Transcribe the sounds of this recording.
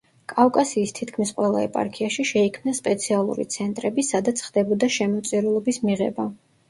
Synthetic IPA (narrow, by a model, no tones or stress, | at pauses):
kʼafkʼasiːst̪ʰit̪ʰkʰmisqʼwɛlˠa̰ɛ̰pʼa̰ɾkʰiaʃiʃɛikʰmnaspʼɛt̪sʰialˠṵɾḭt̪sʰɛnt̪ʼɾɛbisad̪at̪sʰχd̪̥ɛbɔd̪aʃɛmɔt̪sʼiɾulˠɔbismiʁɛ̰ba